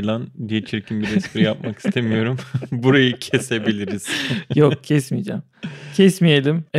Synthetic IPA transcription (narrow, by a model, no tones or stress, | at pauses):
lˠand̪ijet͡ʃʰiɾcʰinbiɾɛspʰiɾijap̚maki̥st̪ʰe̞mijo̞ɾumbuɾajɯcʰe̞se̞bilʲiɾiz̥jokcʰɛsmijd͡ʒa̰m | cʰɛsmije̞lʲim